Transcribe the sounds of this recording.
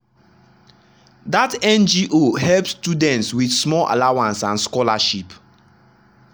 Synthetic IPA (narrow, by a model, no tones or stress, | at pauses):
datɛ̃nd͡ʒiʔohɛlpsstudɛ̃ntswidsmɔlʔa̰lawãnsãnskɔlaʃip